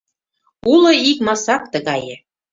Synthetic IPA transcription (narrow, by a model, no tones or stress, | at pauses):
ulŏikmɑsɑk̚t̪ə̆ɣɑjə̆